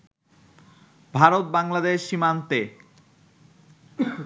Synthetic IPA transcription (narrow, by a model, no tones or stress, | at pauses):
bʱaɾot̪̚baŋlad̪eʃːimant̪e